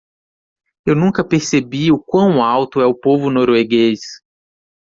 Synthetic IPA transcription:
ewnũkɐpeɾsebiʊkwɐ̃w̃awt̪ʊɛʊpovʊnoɾweɡes

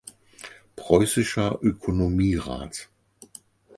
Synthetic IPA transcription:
pʁ̥ɔʏsɪʃɐʔøkʰonomiːʁa̰ːt

